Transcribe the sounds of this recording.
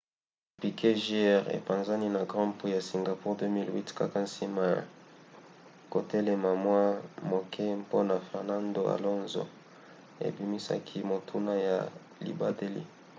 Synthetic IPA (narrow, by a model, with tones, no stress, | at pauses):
pi˨kʰe˦ʒi˦ɛ˦˨ʁḛ˨pã˨nza˦ni˦na˨ɡʁɑ̃˦pi˦ja˨si˨ŋɡa˨pu˦ʁdø˦mi˦lwi˦tka˦ka˨n̩si˦ma˨ | ko˨tɛ˦lɛ˨ma˨mwa˦mo˨kʰɛ˦mpo˦na˨fɛ˨ʁna˦ndo˨a̰˨lɔ˦nzo̰˨ | ḛ˨bi˨˦mi˦sa̰˦kʰi˦mo˨tʰu˦na˦ja̰˨ | lḭ˨ba˦de˦lḭ˦